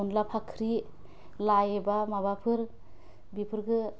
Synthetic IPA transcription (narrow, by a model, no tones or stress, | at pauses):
unlapʰakʰɾi | lajebamabapʰɯɾ | bipʰɯɾkɯ